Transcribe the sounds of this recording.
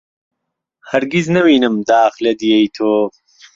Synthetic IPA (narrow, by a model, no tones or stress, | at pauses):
hɐɾɡiznɐwiːnɨmd̪aːxlɐd̪ijejt̪ʰoː